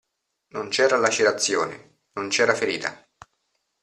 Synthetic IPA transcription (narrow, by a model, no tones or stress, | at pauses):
nont͡ʃɛːɾalat͡ʃiɾat̪sːjo̰ːnḛ | nont͡ʃɛːɾafeɾiːt̪a̰